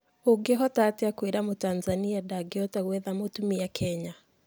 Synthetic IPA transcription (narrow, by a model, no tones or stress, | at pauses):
oɡeɦɔtateakweɾamotanzaniadaɡeɔtaɣwɛðamotumiakʰɛɲa